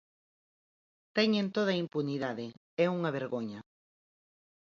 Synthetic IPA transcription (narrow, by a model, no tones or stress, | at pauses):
t̪ɛɲẽnt̪oð̞ɐimpuniðaðe | ɛuŋɐβ̞eɾɣoɲɐ